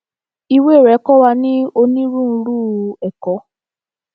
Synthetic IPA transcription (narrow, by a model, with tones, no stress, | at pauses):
i˧we˦˨ɾɛ˨˦kɔ˦wa˧nĩ˦o˧nĩ˦ɾũ˦˨n̩˧ɾu˦˨ɛ˨kɔ˨˦